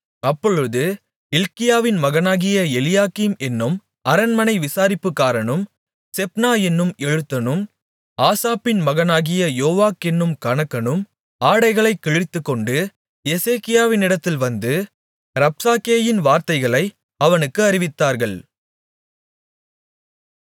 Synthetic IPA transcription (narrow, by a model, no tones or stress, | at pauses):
ɐpːɔɻɯðɯ | ɪlkɪjaːʋɪnmɐɣɐnaːɣɪjɐɛlɪjaːkiːmɛnːɯm | ɐɾɐnmɐnɐɪʋɪsaːɾɪpːɯkːaːɾɐɳɯm | sɛp̚naːɛnːɯmɛɻɯt̪ːɐnɯm | aːsaːpɪnmɐɣɐnaːɣɪjɐjoːʋaːkɛnːɯmkɐɳɐkːɐnɯm | aːɽɐɪɣɐɭɐɪkːɛɻɪt̪ːɯkːɔɳɖɯ | ɛseːkɪjaːʋɪnɪɽɐt̪ːɪlʋɐnd̪ɯ | ɾɐp̚saːkeːjɪnʋaːɾt̪ɐɪɣɐɭɐɪ | ɐʋɐnɯkːɯɐɾɪʋɪt̪ːaːɾɣɐɭ